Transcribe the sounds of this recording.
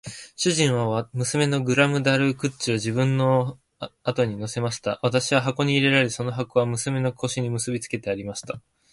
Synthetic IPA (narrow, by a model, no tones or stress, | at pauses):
ɕɨʑĩɰ̃β̞amɯ̟sɨme̞no̞ɡɯ̟ɾamɯ̟d̪aɾɯ̟kɯ̟t͡ɕːio̞ʑibɯ̟̃nːo̞ | at̪o̞ɲ̟ino̞se̞maɕi̥t̪aβat̪aɕiβaɦako̞ɲ̟iːɾe̞ɾaɾeso̞no̞ɦako̞βamɯ̟sɨme̞no̞kʰo̞ɕiɲ̟imɯ̟sɨbʲit͡sɨ̥ke̞t̪e̞aɾʲimaɕi̥t̪a